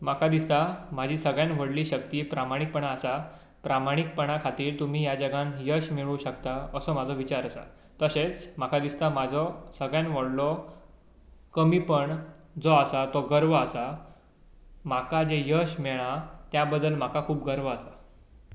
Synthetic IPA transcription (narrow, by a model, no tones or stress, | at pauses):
makʰad̪ist̪amad͡ʑʱiːsəɡɭjãnʋəɽliːɕəkt̪iːpɾamaɽ̃ik̚pəɳaːsa | pɾamaɽ̃ik̚pəɳ̃akʰat̪iːɾt̪um̤iːjad͡zəɡãnjəɕmiɭũɕəkt̪aəsɔmad͡zʱɔʋit͡ɕaɾəsa̰ | t̪əset͡smakʰad̪ist̪amad͡zʱɔsəɡɭjãnʋəɽlɔ | kəmiːpəɳ | d͡zɔəsat̪ɔɡəɾʋəəsa | makad͡ʑejəɕmɛɭ̃at̪jabəd̪ːəlmakakʰuːpɡəɾʋəəsa